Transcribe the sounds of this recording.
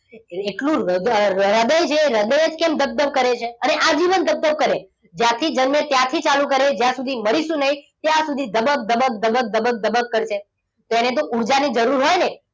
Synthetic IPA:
eʈlũ | ɾəd̪əjt͡ʃʰeːɾəd̪əjed͡ʒkemd̪əb̚d̪əʋ̚kəɾet͡ʃʰeəneʔad͡ʒiʋənd̪əb̚d̪əʋ̚kəɾe | d͡ʒjãt̪ʰid͡ʒənmjə̃t̪jãt̪ʰit͡ʃalũkəɾed͡ʒjãsud̪ʱiməɾiʃũnəɦit̪jãsud̪ʱid̪əbək̚d̪əbək̚d̪əbək̚d̪əbək̚d̪əbəkkːəɾt͡ʃʰe | t̪oenet̪̬oʔuɾd͡ʒanid͡ʒəɾuɾɦojne

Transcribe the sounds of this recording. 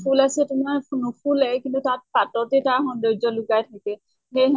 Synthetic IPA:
pʰulasɛtʊmaɹnupʰulakintutat̚patɔtɛtaxɔndɔjzɔlʊɡajtʰakɛ | xej

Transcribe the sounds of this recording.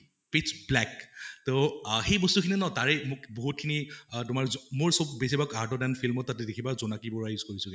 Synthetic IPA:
pisblɛktoxejbɔstukʰininɔtaɹɛmʊkboɦut̚kʰinitʊmaɹzmoɹsɔbːesibakaɹtɔdanfʰilmɔt̚ːatɛdekʰibazɔnakibɔɹajuzkoɹisʊɡɛ

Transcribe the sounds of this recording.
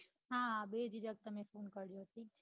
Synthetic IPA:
ɦãbed͡ʒid͡ʒəɡ̚t̪əmẽpʰoːnkəɾjoʈʰiːk̚t͡ʃʰ

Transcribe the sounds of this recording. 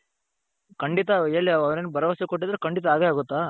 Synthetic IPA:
kɐɳɖit̪ɐeːɭːiɐɐʋɐɾenːubʱɐɾɐʋɐsekoʈːid̪ɐɾekɐɳɖit̪̬ɐaːɡeaːɡut̪ːaː

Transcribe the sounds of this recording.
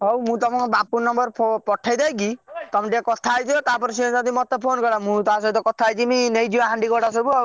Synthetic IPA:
ɦowmũt̪ɔmɔ̃ŋbapunːɔmbɔɾpʰopɔʈʰajd̪ajkit̪ɔmɔ̃ʈiakɔt̪ʰaːjd͡ʒʰɔt̪apɔɾsid͡ʒad̪imɔt̪epʰonkɔɾamũt̪asɔbut̪ɔkɔt̪ʰajd͡ʒiminejd͡ʒĩaɦaɳɖikɔɽas̬ɔbu

